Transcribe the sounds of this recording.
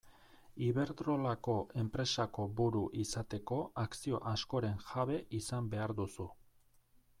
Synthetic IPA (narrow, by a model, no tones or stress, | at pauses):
iβe̞ɾt̪ɾo̞lako̞ʔe̞mpɾe̞sako̞buɾuʔisat̪e̞ko̞aksio̞̰ʔasko̞ɾe̞ŋʝaβe̞ʔisambe̞aɾd̪usu